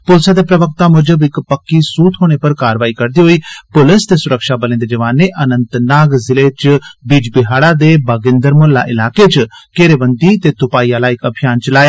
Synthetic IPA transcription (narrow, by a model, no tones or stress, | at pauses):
pʊlsaːd̪eːpɾəʋəkt̪aːmʊd͡ʒəbɪkpəkːiːsuːt̪ʰɦoːɽ̃eːpəɾkaːɾʋaːiːkəɾd̪iːɦoːiːpʊlɪst̪eːsʊɾəkʃaːbəlẽːd̪eːd͡ʒəʋaːnːeːʔənənt̪naːɡzɪleːt͡ʃbiːd͡ʒbɪɦaːɽaːd̪eːbaːɡɪnd̪əɾmʊlːa̰ːʔɪlaːket͡ʃkeːɾeːbənd̪it̪eːt̪ʊpaːiːaːlaːɪkəbʰʱijaːnt͡ʃəlaːjaː